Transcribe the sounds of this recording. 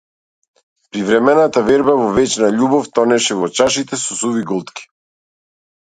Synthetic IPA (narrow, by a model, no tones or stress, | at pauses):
pɾivɾɛmɛnat̪avɛɾbavɔvɛt͡ʃnaʎubɔft̪ɔnɛʃɛvɔt͡ʃaʃit̪ɛsɔsuviɡɔlˠt̪ki̥